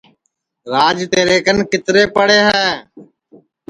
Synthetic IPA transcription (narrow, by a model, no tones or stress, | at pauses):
ɾaːd͡ʒt̪eːɾeːkənkɪt̪ɾeːpəɽeːɦɛː